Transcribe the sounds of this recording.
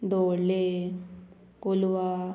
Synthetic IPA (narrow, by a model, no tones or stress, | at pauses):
d̪oɽle | koluʋa